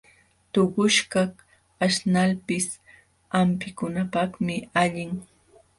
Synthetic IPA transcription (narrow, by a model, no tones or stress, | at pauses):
t̪oɢʊʃkɑ | aʃnalpɪs | ampɪkʊnapɑχmɪaʎɪŋ